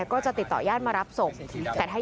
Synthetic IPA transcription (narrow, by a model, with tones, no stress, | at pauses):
kɔː˥˩t͡ɕa˨˩t̪i˨˩t̪ːɔ̰ː˨˩jaː˥˩t̪̚maː˧ɾa˦˥p̚so˨˩ŋt̪ɛː˨˩aː˥˩